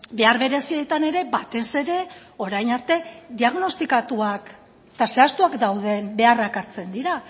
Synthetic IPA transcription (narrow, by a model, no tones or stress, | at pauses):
be̞aɾβe̞ɾe̞siet̪ane̞ɾe̞bat̪e̞se̞ɾe̞ | o̞ɾajnaɾt̪e̞d̪iaɣno̞st̪ikat̪uak | t̪ase̞ast̪uakd̪awðe̞mbe̞arakaɾt͡se̞nd̪iɾa